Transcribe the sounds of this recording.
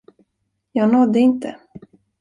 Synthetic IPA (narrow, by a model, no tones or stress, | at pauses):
jɑːɡnɔd̪ːəɪnt̪ə̰